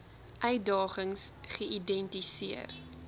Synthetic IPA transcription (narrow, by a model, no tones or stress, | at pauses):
ʔœɥdɑːχəŋsχəidɛntisiər